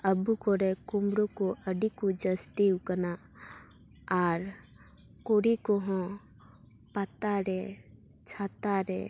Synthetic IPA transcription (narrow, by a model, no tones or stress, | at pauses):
əbukɔɾɛkumɾokoʔəɖikud͡ʒəst̪iwkəna | aɾ | koɾikɔɦɔ̃ | pat̪aɾɛ | t͡ʃʰat̪aɾɛ̰